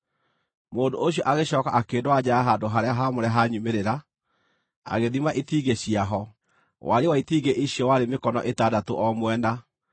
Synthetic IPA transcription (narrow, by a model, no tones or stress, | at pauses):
moːndooɕiɔʔaɣeɕɔːkaakeːndwad͡ʑaaɦandoɦaɾeaɦamoɾɛaɦaɲumeɾeɾa | a̰ɣeðimaʔitiɡeɕiaɦɔ | wʔaɾewaitiːɡeʔiɕjɔwaɾemekɔnɔ̰ʔetadatoʔɔmwɛna